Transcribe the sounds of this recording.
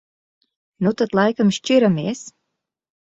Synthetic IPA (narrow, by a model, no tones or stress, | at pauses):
nut̪at̪lˠajkamʃt͡ʃiɾamiɛs